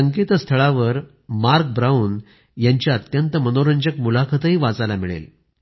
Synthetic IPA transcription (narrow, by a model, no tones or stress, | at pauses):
əŋket̪əst̪ʰəɭaʋəɾ | maɾk̚bɾauːn | jaɲt͡ɕjaət̪jənt̪əmənoɾəɲd͡ʑəkmulakʰət̪əɦiːʋad͡zalamiɭḛl